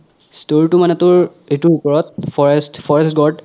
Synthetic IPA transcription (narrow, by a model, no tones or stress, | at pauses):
stolʈumanɛt̪uɹ | etuɹukɔɹɔt̪̚fʰɔɹestfʰɔɹɛstɡɔʈ